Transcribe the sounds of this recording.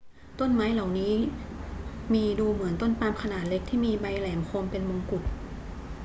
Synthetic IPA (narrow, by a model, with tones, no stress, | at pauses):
t̪o˥˨nmaː˦˥jla˨˩wniː˦˥ | miː˧duː˧mɯ˩˦ənt̪o˥˩˨npaː˧mkʰa˧naː˨˩t̪̚le˦˥k̚t̪ʰiː˥˩miː˧ba˧jlɛː˩˦mkʰo˧mpe˧nmo˧ŋku˨˩t̪̚